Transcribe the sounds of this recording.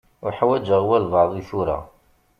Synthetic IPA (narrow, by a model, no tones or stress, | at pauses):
uħawæd͡ʒəʁwælvɑʕðˤiθuɾa̰